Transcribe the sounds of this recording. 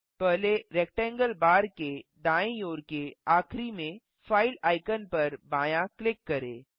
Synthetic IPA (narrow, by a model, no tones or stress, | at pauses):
pɛɦleɾɛːk̚ʈɛ̃ːŋɡəlbaːɾked̪ãːẽjoːɾkeaːkʰɾimẽ | faːɪlaːɪkənpɐɾbãːjãklɪkːɐɾḛ̃ː